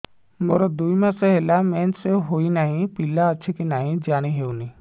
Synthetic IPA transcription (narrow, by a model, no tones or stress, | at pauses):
moɾod̪uimãseɦelameːnseɦoːinaːɦĩpilaətːt͡ʃʰikinaːɦĩd͡ʒaːñiɦeːuni